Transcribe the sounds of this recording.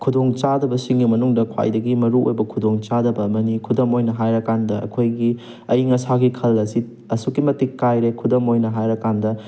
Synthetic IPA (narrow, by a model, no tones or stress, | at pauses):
kʰudoŋt͡ʃadɐbɐsiŋɡimɐnuŋdɐkʰwa̰jdɐɡimɐɾuojbɐkʰudoŋt͡ʃadɐbɐːmɐnikʰudɐmojnɐɦajɾɐkandɐɐ̰kʰojɡi | ɐiŋɐsaɡikʰɐlɐsi | ɐsukimɐtikːajɾekʰudɐmojnɐɦajɾɐkandɐ